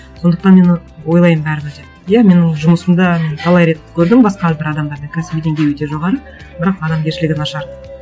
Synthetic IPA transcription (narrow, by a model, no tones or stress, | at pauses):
so̞nd̪əq̚t̪ɑnme̞n | wo̞jlˠɑjəmbæɾɪbɪd̪ep | jæme̞nɪŋʒʊməsəmd̪ɑme̞nt̪ʰɑlˠɑjɾe̞t̪kʲʰɵɾd̪ɪmbɑsqɑæɾbɪɾɑd̪ɑmd̪ɑɾd̪eŋkʲʰæsɪbd̪eŋɡʲe̞jwɵt̪e̞ʒo̞ʁɑɾə | bɪɾɑqɑd̪ɑmɡʲe̞ɾʃɪlɪɡʲɪnɑʃɑɾ